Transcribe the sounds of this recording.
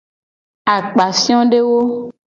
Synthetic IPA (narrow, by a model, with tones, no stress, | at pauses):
a˨k͡pa˨sĩ˦ɔ̃˦ɖe˦wo˦